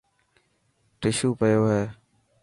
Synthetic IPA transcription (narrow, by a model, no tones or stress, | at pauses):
ʈɪʃuːpəjoːɦeː